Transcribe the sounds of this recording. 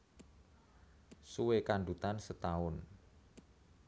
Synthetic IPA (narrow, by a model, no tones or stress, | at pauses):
suwekanɖut̪ansət̪aʊn